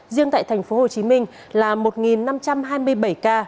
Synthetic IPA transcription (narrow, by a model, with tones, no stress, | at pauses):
zi˧əŋt̪a̰ː˧˨jt̪ʰɛ˨˩jŋ̟fo˨˦ɦo˨˩t͡ɕi˨˦mï˧ŋ̟ | laː˨˩mo˨˩t̚ŋi˨˩nːa˧mt͡ɕa˧mɦaː˧jmɨ˧əjɓə˧˩jkaː˧